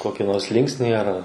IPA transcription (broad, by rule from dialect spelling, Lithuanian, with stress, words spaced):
ˈkoːkʲɪ ˈnoːrs ˈlʲɪŋksʲnʲiː ɐr